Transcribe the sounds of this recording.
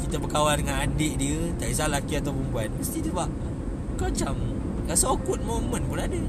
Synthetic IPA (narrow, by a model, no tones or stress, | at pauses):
kit̪abəkawaldəŋanadɪʔdiət̪aʔis̬alakiat̪awpumbuanməst̪idəbaʔ | kat͡ʃam | lasokʊt̪̚momənpunadə